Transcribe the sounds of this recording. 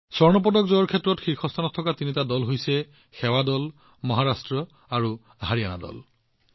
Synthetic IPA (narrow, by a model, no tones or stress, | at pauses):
sɔɹnɔp̬ɔdɔkzɔjɔɹkʰɛtɹɔtxikʰɔst̪ʰanɔtʰːɔkatinitadɔlɦojsɛ | xɛwadɔl | mɔɦaɹastɹɔ | aɹu | ɦaɹiana̰dɔ̰l